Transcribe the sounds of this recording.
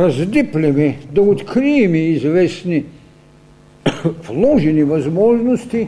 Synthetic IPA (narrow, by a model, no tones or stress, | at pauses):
ɾazd̪iplʲimɛd̪oot̪kɾimiizʋɛsni | plˠoʒiniʋazmoʒnost̪i